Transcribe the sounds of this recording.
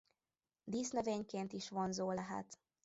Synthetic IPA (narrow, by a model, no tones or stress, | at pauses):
d̪iːsnøveːɲkeːnt̪iʃʋo̞nzoːlɛɦɛ̰t̪